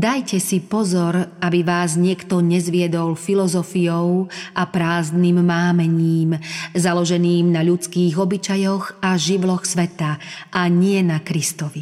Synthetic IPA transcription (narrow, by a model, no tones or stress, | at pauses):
d̪ajcɛsipɔzɔɾabiʋaːzɲɪɛkt̪ɔɲɛzʋɪɛd̪ɔlfilɔzɔfijɔʊʔapɾaːzniːmːaːmɛɲiːmzalɔʒɛniːmnaʎut͡skiːɣɔbit͡ʃajɔɣaʒiʋlɔxsʋɛt̪aʔaɲɪɛnakɾist̪ɔʋi